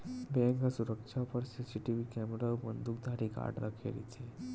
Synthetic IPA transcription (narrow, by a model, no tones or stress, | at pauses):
bẽŋɡasuɾəkʂapəɾsesiʈiʋikɛmɾaʋbənd̪uk̚d̪ʱaɾiːka̰ɽɾakʰḛɾḭt͡se